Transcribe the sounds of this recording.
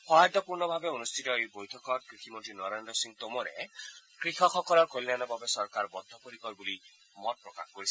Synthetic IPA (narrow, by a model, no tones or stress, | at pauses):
xɔɦad̪ɔpuɾnɔbʱabeonust̪ʰit̪ɔejbojtʰɔkɔɾkɾikʰimɔnt̪ɾinɔɾendɾɔsiŋt̪omɔɾḛkɾixɔxɔkɔlɔɾkolinanɔbʱabesɔɾkaɾbɔd̪ʱːɔpoɾikɔɾbuli | mɔpɾɔka̰xkoɾisʰ